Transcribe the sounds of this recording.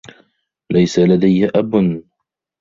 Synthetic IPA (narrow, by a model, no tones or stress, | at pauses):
lajsalad̪ajːʔabʊn